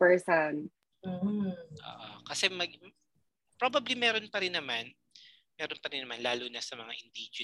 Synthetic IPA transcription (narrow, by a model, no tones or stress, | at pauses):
pɛɹsan | m̩ːʔo̰ːʔokɐsɛmɐɡ | pɾobɐblimɛːɾo̞npɐɾɪnːɐman | mɛːɾonpɐɾɪnːɐmanlaːluːnɐsɐmɐŋaʔɪnd̪ɪd͡ʒ